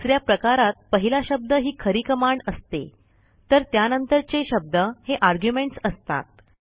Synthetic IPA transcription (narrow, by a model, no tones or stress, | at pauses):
sɾjapɾəkaɾat̪̚pəɦilaɕəb̚d̪əɦiːkʰəɾiːkəmaɳɖəst̪ḛ | t̪əɾt̪janənt̪əɾt͡seɕəb̚d̪əheʔaɾɡjumeɳʈsəst̪a̰t̪̚